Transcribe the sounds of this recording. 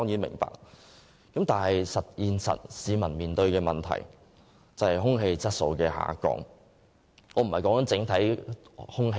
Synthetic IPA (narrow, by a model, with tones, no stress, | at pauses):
ɔː˥ŋjiː˨˥nmɪ̰˨˩ŋpa̰ː˨k̚ | kɐ˨˥mt̪aː˨˩nɦɐ˨jsɐ˨t̚jiː˨˩nsɐ̰˨t̚siː˨˧mɐ˨˩nmiː˨˩nt̪ɵ˧ɥkɛː˧mɐ˨nt̪ʰɐ̰˨˩j | t͡sɐ˨˩hɐ˨˩jɦʊ˥ŋɦe˧jt͡sɐ˥t̚so˧wkɛː˧ɦa̰ː˨˧˥kɔ̰ː˧ŋ | ɔː˨˧m̩˨˩hɐ˨˩jkɔ˨˥ŋkɐ˨˥nt͡sɪ˨˥ŋt̪ʰɐ˨˥jhʊ˥ŋɦe˧